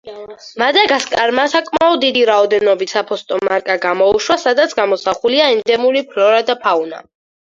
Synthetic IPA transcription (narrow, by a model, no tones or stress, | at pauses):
mad̪aɡaskʼaɾmasakʼmaɔd̪ːid̪iɾaɔd̪ɛnɔbit̪sapʰɔst̪ʼɔmaɾkʼaɡamɔuʃwasad̪at̪sʰɡamɔsaχuliaɛnd̪ɛmuɾipʰlɔɾad̪apʰauna̰